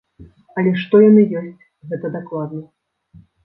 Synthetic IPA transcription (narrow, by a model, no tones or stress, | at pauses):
ɐlʲɛʂt̪ɔjanɨjɔsʲt͡sʲ | ɣɛt̪ɐd̪aklˠad̪nɐ